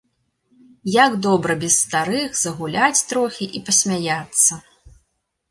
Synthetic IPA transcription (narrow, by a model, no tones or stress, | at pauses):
jaɡd̪ɔbɾɐbʲɛsːt̪aɾɨxzɐɣulʲat͡sʲt̪ɾɔxʲiʔipɐsʲmʲajat̪sːɐ